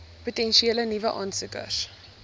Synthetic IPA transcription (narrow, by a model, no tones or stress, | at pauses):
putɛnʃieːlənivəʔɑːnsəkə̰s